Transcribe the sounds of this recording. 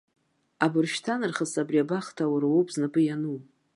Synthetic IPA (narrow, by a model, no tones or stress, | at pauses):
abɨrʃtʰanɨrχəsabriabaχtʰawaɾawopʰʼznɨpʰʼɨjanuw